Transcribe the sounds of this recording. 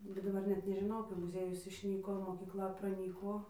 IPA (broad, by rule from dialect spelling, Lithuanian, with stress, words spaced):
bʲɛt dɐˈbɐr nʲɛt nʲɛʒʲɪˈnɐʊ kɐɪ mʊˈzʲiɛjʊs ɪʃʲˈnʲiːkoː moːkʲiːkˈlˠɐ prɐˈnʲiːkoː